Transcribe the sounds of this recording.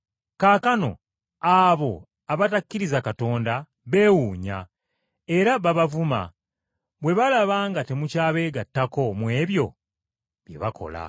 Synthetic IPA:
kaːkano̞̰ | aβo̞ | aβatakːiɾizakato̞ːnda | βe̞ːwuːɲa̰ | e̞ɾaβaβavuma̰ | βwe̞βalaβaːŋɡate̞mucaːβeːɡatːako̞mwe̞ːβjo̞ | βje̞̰βakʰo̞̰la̰

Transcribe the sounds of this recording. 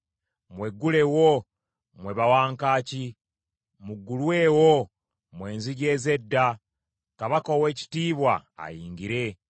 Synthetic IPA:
mwe̞ɡːule̞wo | mwe̞βawaːŋkaːci | muɡːulwe̞ːwo | mwe̞ːnziɟe̞ːze̞dːa | kaβakowe̞ːci̥tiːβwa̰a̰jiːŋɡiɾe̞

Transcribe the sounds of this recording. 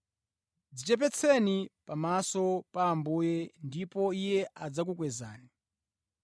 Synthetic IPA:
d͡zit͡ʃɛp̬ɛt͡sʰɛnipamasɔpaːmbuːjɛndipɔijɛʔad͡zak̬ukwɛza̰ːni

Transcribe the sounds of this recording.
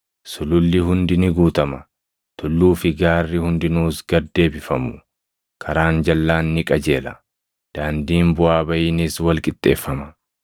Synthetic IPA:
sʊlʊlːɪɦʊnd̪ɪnɪɡuːt̪ɐmɐ | t̪ʊlːuːfɪɡaːrːɪhʊnd̪ɪnuːsɡɐd̪ːe̞ːbɪfɐmʊ̥ | kʰɐɾaːnd͡ʒɐlːaːnːɪkʼɐd͡ʒe̞ːlɐ | d̪̥aːnd̪iːmbʊaːbɐjɪniswɐlkʼɪt̪ʼːe̞̰ːfːɐmɐ

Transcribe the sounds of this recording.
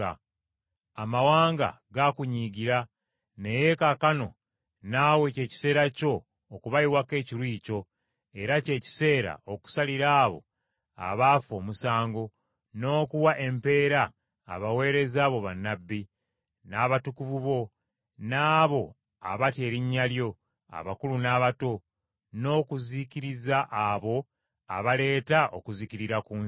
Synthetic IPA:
amawaːŋɡa̰ | ɡakuɲiɡiɾa | ne̞je̞kakano̞̰ | naːwe̞ce̞ːci̥se̞ːɾaco̞ː | kuβajiwake̞ːciɾwiːco̞ | e̞ɾace̞ːci̥se̞ːɾa̰ʔo̞ku̥saliɾaːβo̞̰ | a̰βafo̞ːmusaːŋɡo̞ | no̞ːkuwaʔe̞mpe̞ːɾa̰ː | βawe̞ːɾe̞zaːβoβanːabːi | naːβatukuvuβo̞ | naːβo̞ | a̰βate̞ːɾiɲːaljo̞ | a̰βakulunaːβato̞ | no̞ːkuziciɾizaʔːβo̞ | a̰βale̞ːtaʔo̞̰kuziciɾiɾakuː

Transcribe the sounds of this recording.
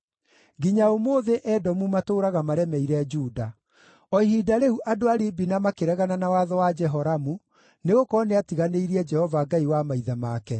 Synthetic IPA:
ɡiɲaomoːðeʔɛdɔmumatoːɾaɣamaɾɛmɛiɾɛd͡ʒuːda | ɔihidaɾeuʔadoaɾibinamakeɾɛɣananawaðɔwad͡ʒɛɦɔɾamu | neɣokɔneatiɣaneiɾiɛd͡ʒɛhɔvaɡaiwamaiðamakɛ

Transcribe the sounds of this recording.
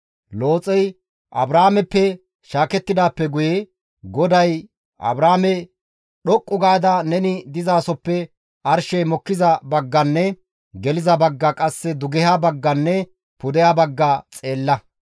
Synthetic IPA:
lo̞ːt͡sʼɛj | ʔɐ̰bɾaːmɛpːɛ | ʃaːkɛt̪ːɪd̪aːpːɛɡʊjɛ | ɡɔd̪ɐj | ʔɐ̰bɾaːmɛ | ɗɔkʼːʊɡaːd̪ɐnɛnɪd̪ɪzaːsɔpːɛ | ʔɐɾʃɛjmɔkːɪzɐbɐɡːɐnːɛ | ɡɛlɪzɐbɐɡːɐkʼɐsːɛd̪ʊɡɛhabɐɡːɐnːɛ | pʊd̪ɛjabɐɡːɐt͡sʼe̞ːlːɐ

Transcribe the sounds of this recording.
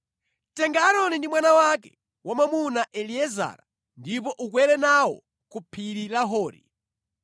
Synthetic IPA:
tɛŋɡaːɾɔnindimwanawakɛ̥̰ | wamamunaʔɛliɛza̰ːɾa | ndip̬ɔʔukwɛɾɛnawɔ̰ | kupʰiɾilaɦɔːɾḭ

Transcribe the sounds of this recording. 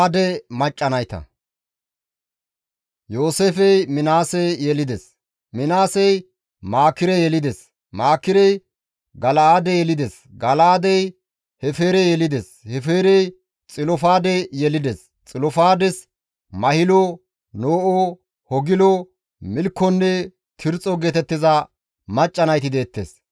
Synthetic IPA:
d̪ɛmɐt͡ʃʼːɐnɐjt̪ɐ̰ | jo̞ːseːfɛjmɪnaːsɛjɛlɪd̪ɛs | mɪnaːsɛj | maːkːɪɾɛjɛlɪd̪es | maːkːɪɾɛj | ɡɐlɐad̪ɛjɛlɪd̪ɛs | ɡɐlɐad̪ɛj | hɛfeːɾɛjɛlɪd̪eshɛfe̞ːɾɛj | t͡sʼɪlɔfaːd̪ɛjɛlɪd̪ɛs | t͡sʼɪlɔfaːd̪ɛs | mɐhɪlɔ | noːʔɔ | hɔɡɪlɔ | mɪlkːɔnːɛ | t̪ʰɪɾt͡sʼɔɡeːt̪ɛt̪ːɪzɐ | mɐt͡ʃʼːɐnɐjt̪ɪd̪e̞ːt̪ːḛːs

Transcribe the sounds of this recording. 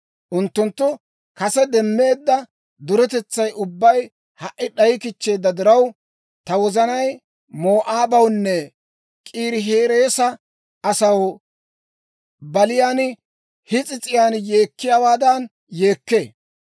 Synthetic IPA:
ʔʊnt̪ːʊnt̪ːʊ | kɐsɛd̪ɛmːe̞ːd̪ːɐ | d̪ʊɾɛt̪ɛt͡sːɐjʔʊbːɐj | hɐʔːɪɗɐjɪkɪt͡ʃːe̞ːd̪ːɐd̪ɪɾɐw | t̪ɐwɔzɐnɐj | moːʔaːbɐwnːɛ | kʼiːɾɪɦe̞ːɾe̞ːsɐ | ɐsɐw | bɐlɪjaːn | hɪt͡sʼɪt͡sʼɪjaːnje̞ːkːɪjaːwaːd̪ɐn | je̞ːkːe̞ː

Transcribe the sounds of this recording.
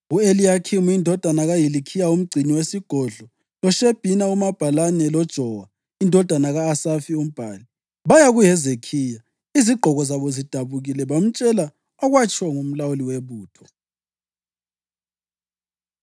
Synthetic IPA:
uelijakʰimuindʱɔd̥ʱanaɣajilikʰijaum̩ɡ͡ǀʱiniwesiɡ̥ʱɔɮɔ | lɔʃeb̥ʱinaumab̥ʱalanɛlɔd̥ʒ̥ʱɔwa | indʱɔd̥ʱanaɣaːsafium̩b̥ʱaːli | βajaɣujɛzekʰiːja | iziɡ͡ǃʱɔɣɔzaβɔzid̥ʱaβuɣilɛβam̩t͡ʃʼɛla | ɔɣwat͡ʃʼʰɔŋum̩lawuliweβuːtʰɔ̥

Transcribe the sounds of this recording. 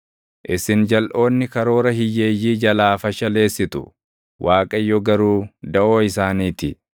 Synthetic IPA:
ʔɪsɪnd͡ʒɐlʔo̞ːnːɪkɐɾo̞ːɾɐhɪjːe̞ːjːiːd͡ʒɐlaːfɐʃɐle̞ːsːɪt̪ʊ | wʔaːkʼɐjːɔɡɐɾuːd̪ɐʔoːɪsaːniːt̪ɪ

